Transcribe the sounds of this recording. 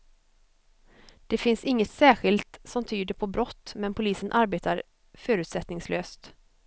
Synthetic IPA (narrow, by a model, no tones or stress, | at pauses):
d̪̥ɛfɪnsɪŋːət̪sæːɧɪlt̪sɔmt̪ʰyːd̪əɾpʰɔbɾɔt̪ːmɛnpʰʊliːsənʔaɾbeːt̪ʰaɾ | fœːɾʉ̟t̪sɛt̪nɪŋsløːst̪